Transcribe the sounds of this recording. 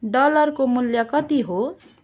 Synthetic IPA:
ɖʌlʌrkomuljʌkʌt̪iɦo

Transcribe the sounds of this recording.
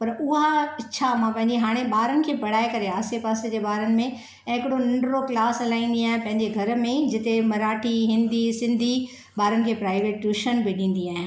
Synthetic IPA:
pɐɾʊɦaɐːt͡ɕʰamãpɐ̃ɦɪ̃ɲd͡ʑeɦaːɽ̃ẽɓaːɾənɪ̆kʰeːbɐɽaːekɐɾeaːsepaːsed͡ʑeːɓaːɾənɪ̆mẽ | ɦɪkɪɽonɐ̃ɳɖɾoklaːsɐlaːĩːn̆d̪iaːɦɪ̃pɐ̃ɦɪ̃ɲd͡ʑeɡʱɐɾmẽd͡ʑɪt̪emɐɾaːʈʰiɦɪ̃nd̪ʱisɪ̃nd̪ʱi | ɓaːɾənɪ̆kʰeːpɾaːɪʋeːʈːuːʃənbiɗĩːn̆d̪iaːɦɪ̃

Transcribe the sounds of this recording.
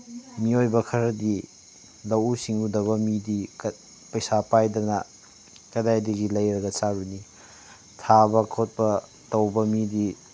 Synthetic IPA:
miojbɐkʰɐɾɐdi | lɐwusiŋudɐβɐmidik | pɐjsapajdɐnɐ | kɐdajdiɡilɐjɾɐɡɐt͡ʃaɾuni | tʰabɐkʰot̚pɐ | tɐwbɐmidi

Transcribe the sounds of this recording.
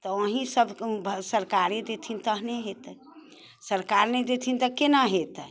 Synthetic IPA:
t̪ɔəɦĩsəbʱbʱsəɾkaɾed̪et̪ʰint̪əɦneɦet̪ | səɾkaɾned̪et̪ʰint̪əkenaɦet̪

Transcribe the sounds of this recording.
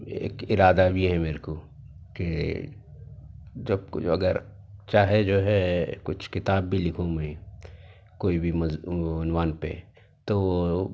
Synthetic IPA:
ḛːkɪɾaːd̪abʱiɦɛmeːɾko | ke | d͡ʒɐb̚kɐ̰ɡəɾ | t͡ʃaːɦed͡ʒoːɦɛkʊt͡ʃʰkɪt̪aːbːilɪkʰõmẽ | koːibʱimʊnʋaːnpḛ | t̪o

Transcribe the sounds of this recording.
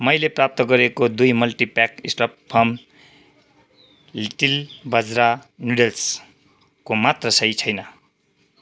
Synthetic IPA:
mʌjleprap̚t̪ʌɡʌɾekod̪ujmʌlʈipakisʈʌppʰʌm | liʈilbʌd͡zɾa | nuɖels | komat̪rʌsʌjt͡sʰʌjnʌ

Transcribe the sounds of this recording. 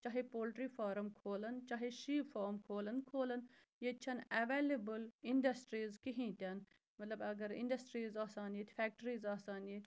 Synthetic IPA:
t͡ʃaːɦepoːlʈɾifaːɾɐmkʰoːlɐnt͡ʃaːɦeʃiːfoːɾmkʰoːlɐnkʰoːlɐn | jet͡ʃʰɐnɐʋeːlebəliɳɖɐsʈɾiːzkiɦĩːt̪ʲɐn | mɐt̪lɐbɐɡɐɾɪ̰̃ɳɖɐsʈɾiːzaːsaːniːt̪fɛːk̚ʈəɾiːzaːsaːniːt̪

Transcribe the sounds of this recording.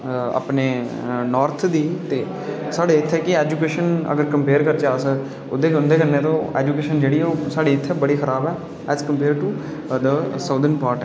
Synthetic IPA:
a̰ːpneː | nɔːɾt̪ʰd̪iːt̪eː | saːɽeːɪt̪ʰːɛːkɪɛːd͡ʒuːkeːʃənə̰ɡəɾkəmpeːɾkəɾt͡ʃaːsək | ʊd̪eːkʊ̃nd̪eːkənːẽːt̪õːɛ̰ːd͡ʒuːkeːʃənd͡ʒeːɽiːoːsaːɽeːɪt̪ʰːɛːbəɽiːxʰəɾaːbɛː | ɛːzkəmpeːɾʈuː | d̪əsaːd̪ənpaːɾʈ

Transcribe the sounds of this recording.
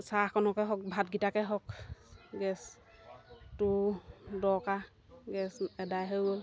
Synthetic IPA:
sakɔnɔkɛɦɔk̚bʱat̚ɡitakɛɦɔkɡɛs | tʊdɔka | ɡɛsɛdajɦɔjɡɔl

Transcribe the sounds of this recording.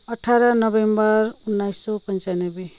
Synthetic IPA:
ʌʈʰaɾʌnʌbembʌɾunːajsːopʌnt͡sanʌbe

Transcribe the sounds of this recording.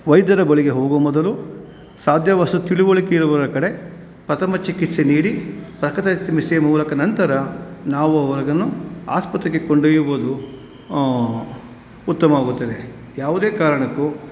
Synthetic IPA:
ʋɐjd̪jɐd̪ɐbɐɭiɡe̞ɦoːɡomɔd̪ɐlu | saːd̪ʱjɐʋɐsɐt̪iɭuʋoɭikeiɾuʋɐɾɐkɐɽe̞ | pɾɐt̪ʰɐmɐt͡ʃikit̪seniːɽipɾɐkɾit̪ɐt̪ːɐmisijɐmuːlɐkɐnɐnt̪ɐɾɐnaːʋuɐʋɐɾɐɡɐnːua̰ːspɐt̪ɾekːekoɳɖejuʋod̪u | t̪ːɐmɐaːɡut̪ːɐd̪e | jaːʋud̪eːkaːɾɐɳɐkːu

